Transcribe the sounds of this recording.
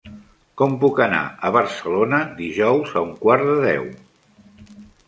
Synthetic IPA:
kɔmpukəna̰əβərsəlonəd̪iʒɔwzəuŋkwaɾðəðɛ̰w

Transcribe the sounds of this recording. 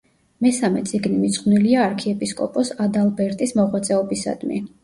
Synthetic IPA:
mɛsamɛt̪sʼiɡnimit̪sʼχniliaːɾkʰiɛpʼiskʼɔ̰pʼɔsad̪alˠbɛɾt̪ʼismɔʁwat̪sʼɛɔbisa̰d̪mḭ

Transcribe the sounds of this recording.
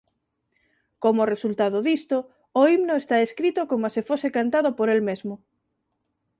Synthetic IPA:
komoresult̪aðʊðist̪ʊː | imnoest̪aeskɾit̪ʊkomoasɪfosekant̪aðʊpoɾelmezmʊ

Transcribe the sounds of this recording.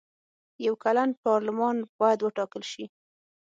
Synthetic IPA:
jawkalanpɑɾlɪmɑnb̥ɑjad̪wəʈɑkəlʃi

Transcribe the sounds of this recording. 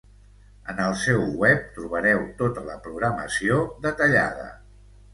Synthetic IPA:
ənəlˠsɛwwɛp̚t̪ɾuβ̞əɾɛwt̪ot̪ələ̰pɾuɣɾəmə̰siod̪ət̪əʎa̰ð̞ə̰

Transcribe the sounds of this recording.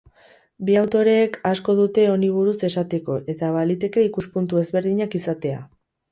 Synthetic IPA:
biawt̪o̞ɾe̞ːkasko̞ð̞ut̪e̞o̞niβ̞uɾuse̞sat̪e̞ko̞ʔe̞t̪aβalit̪e̞ke̞ikuspunt̪ue̞zβe̞ɾðiɲakisat̪e̞a̰

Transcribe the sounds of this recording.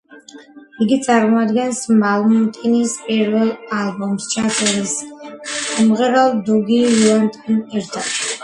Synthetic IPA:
iɡit̪sʼaɾmɔad̪ɡɛnsmalˠmut̪ʼinispʼiɾvɛlˠalˠbɔmst͡ʃʰasʼɛɾis | mʁɛɾɛlˠd̪uɡiulant̪ʼɔnɛɾt̪ʰad̪̥

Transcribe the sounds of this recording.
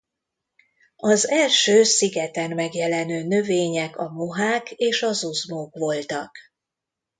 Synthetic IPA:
ɒzɛlʃøːsiɡɛt̪ɛnmɛɡjɛlɛnøːnø̞veːɲɛkɒmoɦaːkeːʃɒzuzmoːkʋo̞lt̪ɒk

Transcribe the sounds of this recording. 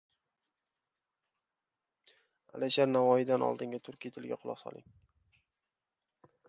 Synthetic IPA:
a̰lɪʃaɾnavɒjɪd̪anɒ̰lˠd̪ɪŋɡʲat̪ʰʊɾkʲijt̪ʰɪlɡʲa̰qʰʊlˠɒ̰sɒ̰lɪ̰ŋ

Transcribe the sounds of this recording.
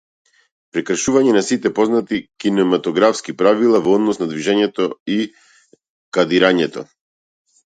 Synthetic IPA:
pɾɛkr̩ʃuvaɲɛnasit̪ɛpɔznat̪ikinɛmat̪ɔɡɾafskipɾavilˠavɔɔd̪nɔsnad̪viʒɛɲɛt̪ɔi | kad̪iɾaɲɛt̪ɔ

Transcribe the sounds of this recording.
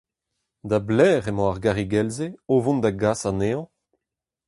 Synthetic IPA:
d̪ablɛːʁemɑ̃aʁɡaʁiɡɛlzeovɔ̃nd̪aɡasaneɑ̃

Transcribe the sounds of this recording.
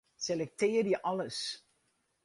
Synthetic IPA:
selɛk̚tɪːrjəʔɑləs

